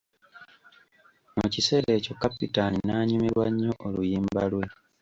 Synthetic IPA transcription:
mucise̞ːɾe̞ːcokːapitaninaːɲumiɾwaɲːo̞ʔolujiːmbalwe̞

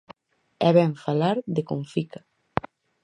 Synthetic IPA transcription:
ɛβɛɱfalaɾðekoɱfikḁ

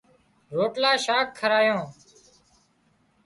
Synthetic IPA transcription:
ɾoːʈlaːʃaːkʰːəɾaːjõː

